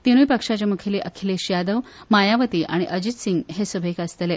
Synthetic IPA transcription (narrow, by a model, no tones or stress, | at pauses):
t̪iñujpəkʂat͡ɕjamukʰeliʔəkʰileɕjad̪əʋmajaʋət̪iːʔa̰ɽ̃iʔəd͡ʑit̪siŋɡɦesubʱekəst̪ele